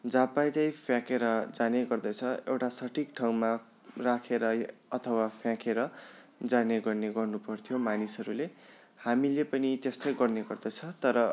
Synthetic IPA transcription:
d͡zapajt͡sʌjpʰjãkeɾʌd͡zaneɡʌrd̪ʌt͡sʰʌewʈasʌʈʰikʈʰaw̃ma | rakʰeɾʌʌt̪ʰʌwapʰjãkeɾʌ | d͡zaneɡʌrneɡʌrnupʌrt̪ʰijomanisʌɾule | hamilepʌnit̪est̪ʌjɡʌrneɡʌrd̪ʌt͡sʰʌt̪ʌɾʌ

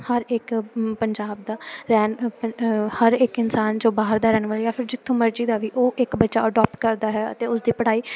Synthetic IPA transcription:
həɾɪkpəɲd͡ʒaːb̚d̪aːɾɛːn | həɾɪkɪnsaːnd͡ʒõːbaːɦəɾd̪aːɾɛːnʋaːlijaːpʰɪɾd͡ʒɪt̪ʰːõːməɾd͡ʒiːd̪aːʋiːʔoːʔɪkbətːʃaːəɖɔːp̚ʈkəɾd̪aːɦɛːə̰t̪eːʊsd̪iːpəɽaːiː

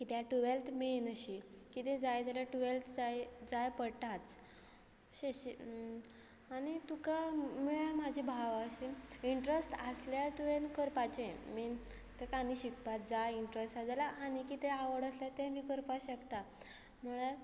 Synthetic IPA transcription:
kit̪jaʈuʋelt̪menəɕikit̪ẽd͡zajd͡zaljaʈuʋelt̪ʰd͡zajd͡zajpəɽʈ̪at͡s | ɕeɕi | nit̪ukamiɭam̤ad͡ʑʱibʱaʋaəɕiiɳʈɾesʈasljat̪uʋenkəɾpat͡ɕẽmi | t̪ekaniɕikpat̪̚d͡zajiɳʈɾesʈad͡zalaʔːnikit̪ɛaʋəɽəsljat̪ɛ̃miːkəɾpaɕəkt̪a | m̤əɽ̃aɾ

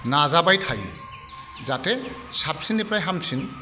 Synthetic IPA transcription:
nazabajtʰaj | zate | sap̚sinipɾajɦamsʰin

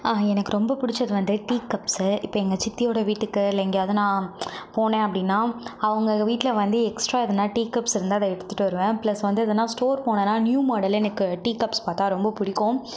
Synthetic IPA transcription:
aːɛnɐkːɯɾɔmbɐpʊɽɪt͡ʃːɐðɯʋɐnd̪ɯʈiːkːɐpsɪpːɐɛŋɡɐt͡ʃɪt̪ːɪjoːɽɐʋiːʈːɯkːɯɪlːɐɛŋɡjaːðɯnãːpoːɳẽːɐpːɐɽɪnːaːɐʋɐŋɡɐʋiːʈːɪlɐʋɐnd̪ɯɛksʈɾaːɪðɐnːaːʈiːkɐpsɪɾɯnd̪ɯɐðɐɛɽɯt̪ːɯ̥ʈːɯʋɐɾɯʋẽːpɪlɐsʋɐnd̪ɯɐðɐnːãːsʈoːɾpoːɳẽnːaːnjuːmoːɽɐlɛnɐkːɯʈiːkɐpspaːɾt̪ãːɾɔmbɐpʊɽɪkːõ

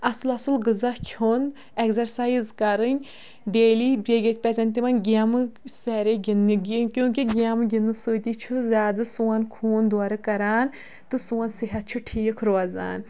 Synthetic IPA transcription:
ɐsɨlɐsɨlɡɨzɐhkʲʰon | ekzɐɾsaːjizkɐɾɨnʲ | ɖeːlibʲeːɡʲet̪̚ʲpʲɛzɐnʲt̪imɐnɡʲamɨseːɾeɡʲiniɡʲikʲjũːkʲiɡʲamɨɡʲinːɨsɨːt̪it͡ʃʰuzʲjaːd̪ɨsuːɐnkʰuːnd̪aːɾɨkɐɾaːn | t̪ɨsuːɐnsiɦɐt̪̚t͡ʃʰuʈʰiːkʰɾoɐza̰ːn

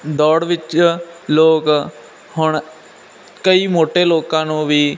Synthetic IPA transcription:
d̪ɔːɽʋɪt͡ʃloːk | hʊɳ | kəiːmoːʈeːloːkãːnũːʋiː

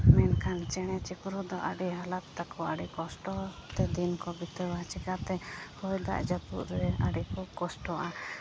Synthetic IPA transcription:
mɛnkʰant͡ʃɛɽ̃ɛt͡ʃikɾud̪ɔʔa̰ɖiɦalat̪t̪akɔaɖikɔsʈɔt̪ɛd̪inkɔbit̪ɛbat͡ʃikat̪ɛhɔjd̪a̰ʔd͡ʒat̪ṵʔɾɛaɖikɔkɔsʈɔʔa

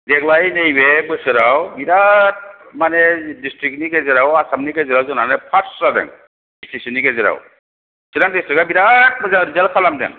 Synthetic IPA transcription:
dɛklajnejbebɯsɯɾawbiɾat̚manɛdistɾiknikɛzɛɾawasamnikezɛɾawzɔnanɛpʰaɾadɛ̰ŋ | isisinikɛzɛɾa̰w | siɾaŋdistɾikabiɾat̚mzaɾizalkʰalamdɛ̰ŋ

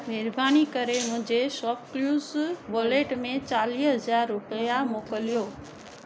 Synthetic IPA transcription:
nɪɾbʱaːñikəɾemʊ̃ɦd͡ʒeʃɔpkljuːzʋoːleʈmẽt͡ʃaːliːsəzaːɾːʊpəjamoːkəljoː

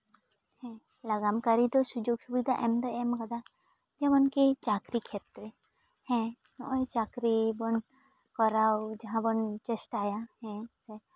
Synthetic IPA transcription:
hɛ̃ | laɡamkaɾit̪ɔsud͡ʒoɡsubid̪ʱaʔɛmd̪ɔemkɔd̪a | d͡ʒɛbɔnkit͡ʃakɾikʰet̪ɾe | hɛ̃ | nɔʔet͡ʃakɾibɔn | kɔɾawd͡ʒɐɦãbɔnt͡ʃesʈajahɛ̃sɛ

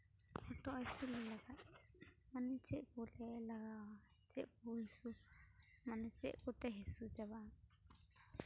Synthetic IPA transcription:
ɔʈɔʔɛsulɛlaɡat̪̚manit͡ʃɛʔkɔlɛlaɡa | t͡ʃɛʔkuɦisu | manɛt͡ʃɛʔkɔt̪ɛɦɛsud͡ʒaba

